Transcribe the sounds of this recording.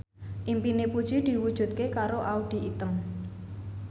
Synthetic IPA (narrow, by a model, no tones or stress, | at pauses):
ʔimpinepud̥ʒ̥id̪̥i̤wud̥ʒ̥ṳt̪̚kekaɾoʔaud̪̥i̤ʔit̪əm